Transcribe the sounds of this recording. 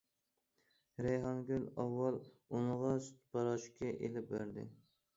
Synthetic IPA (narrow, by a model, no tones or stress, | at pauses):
ɾejɦɑnɡʲylɑwːɑlˠ | unəʁɑsy̥t̪pʰɑɾɑʃkʲɛʔelɪp̚beɾd̪ɪ̰